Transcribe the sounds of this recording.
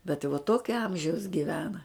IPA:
bʲɛt ɪ ʋɐ ˈtoːkʲɛ ˈɐmʲʒʲɛʊs ɡʲiːˈʋʲæːnɐ

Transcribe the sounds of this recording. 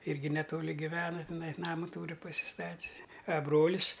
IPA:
ˈɪrʲɡʲɪ nʲɛˈtoːlʲɪ ɡʲɪˈʋʲæːnɐ tʲɪˈnɐɪ ˈnɑːmɐ ˈtuːrʲɪ pɐsʲɪˈstɐtʲsʲ ɐ ˈbroːlʲɪs

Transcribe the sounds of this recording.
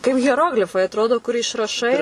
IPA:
kɐɪp ɣʲiɛˈroːɡlʲɪfɐɪ ɐtˈroːdoː kʊr ɪʃrɐˈʃɐɪ

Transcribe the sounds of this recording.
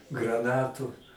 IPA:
ɡrɐˈnɑːtuː

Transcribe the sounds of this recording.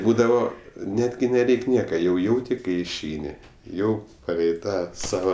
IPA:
ˈbuːdɐʋoː ˈnʲæːdʲɡʲɪ nʲɛˈrʲɛɪkʲ ˈnʲiɛkɐ jɛʊ ˈjɛʊtʲɪ ˈkɐɪ ɪʃʲˈɛɪnʲɪ ˈjɛʊ pɐˈlʲɛɪ ˈtɑː ˈsɑːʋɐ

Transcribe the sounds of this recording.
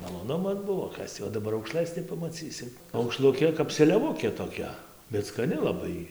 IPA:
mɐlˠoːˈnʊmɐs ˈbʊʋoː ˈkɐs tʲiː oː dɐˈbɐr ɐʊkˈʃlˠɘs nʲɛpɐmɐˈt͡sʲiːsʲɪ ɐʊkˈʃlˠʊkʲeː kɐp sʲɛlʲɛˈʋʊkʲeː toːˈkʲɛ bʲɛt skɐˈnʲɪ lˠɐˈbɐɪ jiː

